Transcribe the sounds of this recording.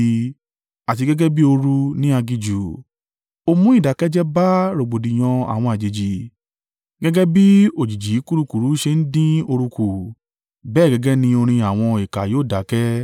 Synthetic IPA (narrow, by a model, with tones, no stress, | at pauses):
a˨ti˧ɡɛ˦ɡɛ˦bi˦o˧ɾu˧nĩ˦a˧ɡi˧d͡ʒu˨ | o˧mũ˦i˦˨da˨kɛ˦d͡ʒɛ˦ba˦ɾo˨ɡ͡bo˨di˨j̃ɔ̃˧a̰˨w̃ɔ̃˧a˨d͡ʒe˨d͡ʒi˨ | ɡɛ˦ɡɛ˦bi˦o˨d͡ʒi˨d͡ʒi˨˦ku˦ɾu˦ku˨ɾu˨˦ʃe˧n̩˦dĩ˦o˧ɾu˧ku˨ | bɛː˦˨ɡɛ˦ɡɛ˦nĩ˧˦o˧ɾ̃ĩ˧a˨w̃ɔ̃˧i˨ka˨joː˨˦˨da˨˦kɛ˦